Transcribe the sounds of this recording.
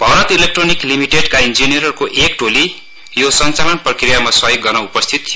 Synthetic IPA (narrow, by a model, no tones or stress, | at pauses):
bʱʌwɾʌt̪ilek̚ʈroniklimiʈeɖkaind͡zinijʌɾʌrkoʔekʈoli | josʌnt͡salʌnprʌkrijamasʌjoɡːʌrnʌupʌst̪ʰit̪ːʰij